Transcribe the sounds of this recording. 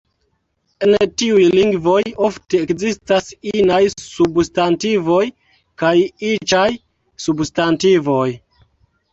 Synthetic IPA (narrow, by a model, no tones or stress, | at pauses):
entiujliŋɡvo̞jofte̞ːkzistasinajsubstantivo̞j | kajit͡ʃaj | substantivo̞j